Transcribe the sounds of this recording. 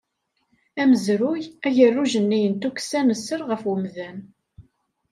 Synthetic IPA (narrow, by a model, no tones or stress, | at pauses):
æməzɾʊjæʝərːuʒənːijənt̪uksænəsːəɾʁəfwəmðæn